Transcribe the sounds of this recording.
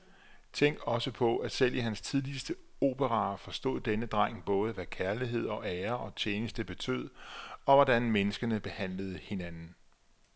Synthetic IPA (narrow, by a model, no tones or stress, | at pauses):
t͡sʰeŋ̰ɡ̥ɒ̽səpʰɒ̽æsel̰iɦænst͡sʰiðˠlisd̥əo̝ːb̥ʰəʁɑ̈ːfɒ̽sd̥o̝̰ːð̰ˠd̥enəd̥ʁɑ̈ŋ̰b̥ɔ̽ːð̞ˠəʋækʰæɐliɦe̝ð̞̰ˠɒ̽ʔeːɐʔɒ̽t͡ɕʰjeːnəsd̥əb̥e̝t͡sʰø̰ð̞̰ˠɒ̽ʋɒdænmenəsɡ̥ɐnəb̥e̝hæn̰ləð̞̩ˠəhe̝nænn̩